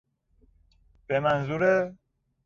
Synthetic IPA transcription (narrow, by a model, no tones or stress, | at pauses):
b̥emænzuɾe